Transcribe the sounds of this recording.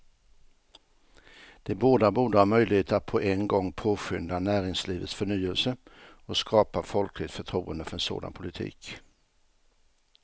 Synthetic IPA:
d̪̥ɛboːd̪abuːɖəhɑːɾmœjlɪheːt̪əat̪̚pʰɔʔɛnɡɔŋːpʰoːɧʏnd̪anæːɾɪŋsliːvət̪sfœɳyːəlsə | ɔskʰɑːpafɔlkʰlɪɡt̪fœʈʰɾṵːənd̪əfœɾɛnso̰ːd̪a̰npʰʊlɪt̪ʰḭːk

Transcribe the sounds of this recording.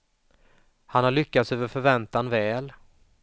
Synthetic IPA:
hanhaɭʏkːat̪søːvəɾfœɾvɛnt̪anvɛːl

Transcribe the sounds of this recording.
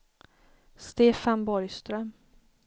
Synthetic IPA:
st̪eːfanbɔɾjst̪ɾœm

